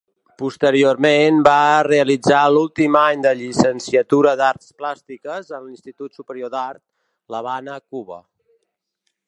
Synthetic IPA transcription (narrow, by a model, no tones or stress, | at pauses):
pust̪əɾioɾmenbareəlid͡zalulˠt̪imaɲd̪əʎisənsiət̪uɾəðaɾt̪splast̪ikəzənlinst̪it̪ut̪supəɾiod̪aɾt̪̚ | ləβanəkuβə̰